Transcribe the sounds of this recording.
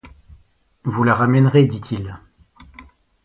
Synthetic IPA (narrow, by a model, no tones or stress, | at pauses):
vulaʁamɛnʁed̪it̪ʰil